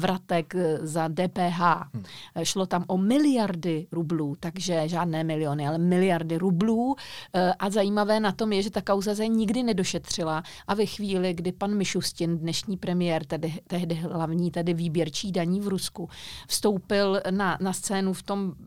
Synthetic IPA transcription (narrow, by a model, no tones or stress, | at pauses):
vɾat̪ɛkzadɛːpɛːɦaːʃlo̞t̪amʔomɪlɪjaɾdɪɾubluːt̪aɡʒɛʒaːdnɛːmɪlɪjonɪalɛmɪlɪjaɾdɪɾubluːʔazajiːmavɛːnat̪o̞mjɛʒɛt̪akawzazaɲɪɡdɪnɛdo̞ʃɛt̪r̝̥ɪla | ʔavɛxviːlɪɡdɪpanmɪʃuscɪndnɛʃɲiːpɾɛmɪjɛːɾt̪ɛdɪt̪ɛɦdɪɦlavɲiːt̪ɛdɪviːbjɛɾt͡ʃiːdaɲiːvɾuskufst̪o̞wpɪlnanast͡sɛːnuft̪o̞m